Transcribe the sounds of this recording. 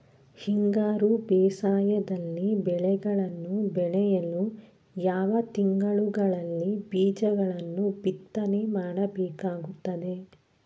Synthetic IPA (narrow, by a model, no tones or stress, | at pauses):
hiŋɡaːɾubɛːsaːjɐd̪ɐlːibɛɭɛɡɐɭɐnːubɛɭɛjɐlːu | jaːʋɐt̪iŋɡɐɭuɡɐɭɐlːibiːd͡ʒɐɡɐɭɐnːubit̪ːɐnemaːɽɐbɛːkaːɡut̪ːɐd̪e̞